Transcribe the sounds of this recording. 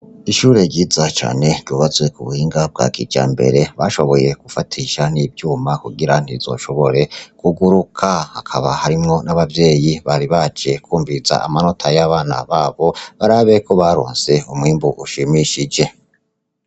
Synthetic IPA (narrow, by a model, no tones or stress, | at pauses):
iʃuːɾe̞ɾɟiːzat͡ʃa̰ːne̞ɾɟuːβazwe̞kuβuhiːŋɡab̚ɡa̰kḭd͡ʒa̰ːmbe̞̰ɾe̞βaʃo̞βo̞je̞ɡ̥ufatʰiʃaniːbjuːmakuɡiɾan̥izo̞̰ʃo̞βo̞ɾe̞kuɡuɾukʰahakʰaβahaɾimŋo̞naβavje̞ːjiβaɾiβad͡ʒe̞kʰuːmviza̰a̰mano̞tʰajaβaːna̰βaːβo̞βaɾaːβe̞kʰo̞βaɾo̰ːnse̞umŋiːmbuʔuʃimiʃid͡ʒe̞